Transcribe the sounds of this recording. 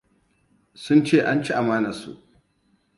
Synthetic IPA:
sʊ˦nt͡ʃeː˦˨ʔa˦nt͡ʃi˦ʔa˨maː˦na˨sṵ˦ʔ

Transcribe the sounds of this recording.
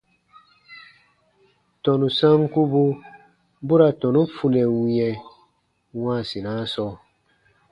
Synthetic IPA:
tɔ˨nu˨sã˦ŋku˦bu˦ | bu˦ɾa˨tɔ˨nũ˦fu˨lɛ˨wĩ˨ɛ̃˨ | wãː˦˨si˨nã˦sɔ˦

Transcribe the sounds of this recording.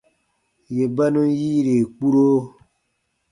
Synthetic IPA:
je˨ba˦nũ˦jiː˦ɾe˨k͡pu˦ɾo˦

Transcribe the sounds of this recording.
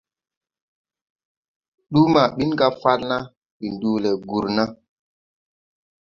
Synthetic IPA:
ɗu˦ma˨ɓi˦nɡa˦fa˦lna˦ | ɓi˨ndu˨lɛ˨ɡu˨ɾna˦

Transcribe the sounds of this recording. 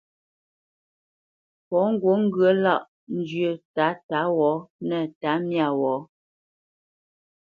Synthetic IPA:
pɔ˨˦ŋ̩˦˨ɡwo˨˦ŋ̩˦ɡɰə˨˦la˦˨ʔ | n̩˦d͡ʒɥə˨ta˨˦ta˨˦wɔ˨˦nɛ˨ta˨˦mja˦˨wɔː˨˦

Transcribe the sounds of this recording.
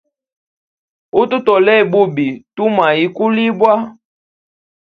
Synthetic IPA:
u˦tu˦tɔ˨lɛ˦˨bu˦bi˨tu˦ma˨i˨˦ku˦li˦bwa˦

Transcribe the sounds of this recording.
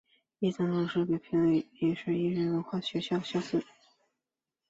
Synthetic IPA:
i˥˩t͡sɑ˥ŋlʂɻɤ˥˩pɛ˨˩pʰi˥ŋle˥˩ɪjɛ˨˩ʂɻ̩˥˧i˥˧ɻə˥˩nwə˧˥nxwa˥˩ɕɥɛ˧˥ɕjɑ˥˧ʊɕjɑ˥˧ʊs̩˥˩

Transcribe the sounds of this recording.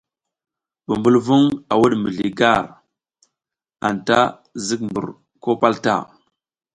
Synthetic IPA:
bu˨mbu˦lvu˦ŋa˨wu˦ɗmə˨ɮi˨ɡa˦˨ɾ | a̰˨nta˦ | zi˦kmbṵ˨ɾ | ko˦pa˦lta̰˦˨

